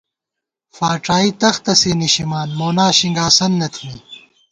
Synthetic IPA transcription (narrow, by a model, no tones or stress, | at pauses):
faːʈ͡ʂaːit̪ɐxt̪ɐseːniɕimaːnmoːnaːɕiŋɡaːsɐnːɐt̪ʰimi